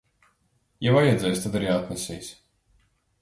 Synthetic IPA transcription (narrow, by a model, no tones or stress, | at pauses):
javajɛd̪zɛjst̪ad̪aɾiat̪nɛsʲḭːsʲ